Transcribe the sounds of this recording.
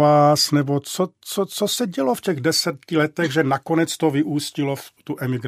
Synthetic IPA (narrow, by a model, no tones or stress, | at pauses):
aːsnɛbot͡sot͡sot͡sosɛɟɛlofcɛɣdɛsɛt̪cɪlɛt̪ɛɣʒɛnakonɛt͡st̪ovɪʔuːscɪloft̪uʔɛmɪɡɾ